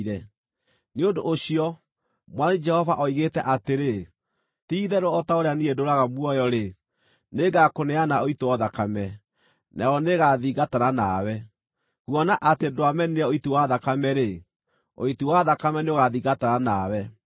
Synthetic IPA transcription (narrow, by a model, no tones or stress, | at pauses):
ɾɛ | neondoʔoɕiɔ | mwanid͡ʒɛhɔvaʔɔiɣetɛʔateɾe | tiːðɛɾoɔtaoɾeaniedoɾaɣamwɔjɔɾe | neɡakonɛanaoitowɔðakamɛ | naɔneɣaðiɣataɾanawɛ | ɣwɔnaʔatedoamɛniɾɛoitiwaðakamɛɾe | o̰itiwaðakamɛneoɣaðiːɣataɾanawɛ